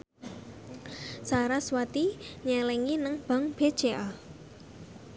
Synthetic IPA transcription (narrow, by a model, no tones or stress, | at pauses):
saɾaswat̪iɲɛlɛŋinəŋb̥a̤ŋb̥ed̥ʒ̥eʔa